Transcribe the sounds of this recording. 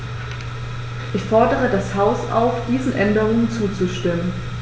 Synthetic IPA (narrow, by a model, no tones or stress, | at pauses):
ʔɪçfɔɐdəʁ̞ədashaʊsa̰ʊfd̥iːzn̩ʔɛndəʁ̞ʊŋənt͡suːt͡suʃtɪmən